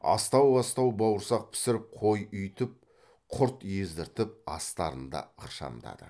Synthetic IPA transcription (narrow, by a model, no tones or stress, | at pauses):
ɑ̰st̪ɑwbɑst̪ɑwbɑwəɾsɑq̚pʰɪ̥sɪɾɪp̚qʰo̞jʏjt̪ɪp̚ | qʰʊɾt̪jezd̪ɪɾt̪ɪp̚ɑst̪ɑ̰ɾənd̪ɑ̰əχʃɑ̰nd̪ɑ̰d̪ə̰